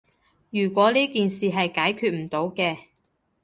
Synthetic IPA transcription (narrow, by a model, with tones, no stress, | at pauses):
jyː˨˩kʷɔː˨˥liː˥kiː˨nsiː˨ɦɐ˨jkaː˨˥jkʰyː˧t̚m̩˨˩t̪o˨˥wkɛː˧